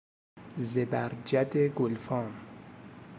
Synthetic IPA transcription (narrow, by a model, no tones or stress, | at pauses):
zebæɾd͡ʒæd̪eɡolfɔːm